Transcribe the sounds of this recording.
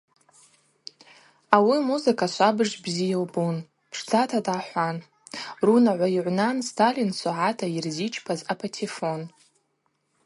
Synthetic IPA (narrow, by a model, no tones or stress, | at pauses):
awimuzɨkʰaʃʷabɨʐbzijawbun | pʰʂd͡zatʰadaħʷan | runaʕʷaiʕʷnanstʰalinsaʕatʰairzit͡ʃʰʼpʰazapʰatʰifo̞n